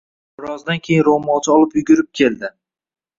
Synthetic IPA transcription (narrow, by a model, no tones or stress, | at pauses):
bɪɾɒzd̪ankʲʰe̞jɪnɾomɒt͡ʃʰɪɒlˠɪpjʊɡʲʊɾɪp̚kʲʰe̞ld̪ɪ